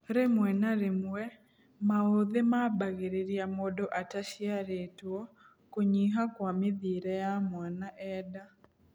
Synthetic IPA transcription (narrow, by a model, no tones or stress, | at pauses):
ɾemwɛnaɾemwwɛ | maoðemaːbaɣeɾeɾiamodɔʔataʃiaɾetwɔ | koɲiɦakwameðiːɾɛjamwanaʔɛda